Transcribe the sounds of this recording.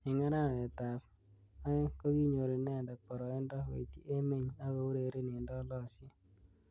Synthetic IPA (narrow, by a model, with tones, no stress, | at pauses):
ɪ˨ŋa˦ɾa˦˨me˨ta˨p | a˦ko˦ɣi˦ɲo˨ɾi˨nɛ˦˨nda˨k̚pɔ˨ɾɔ˨e˦ndɔ˦wḛ˨ti˦ʔe˦me˦˨ɲa˦ɣo˨u˦ɾe˨ɾe˦ni˨ndɔ˦lɔ˦˨sje˦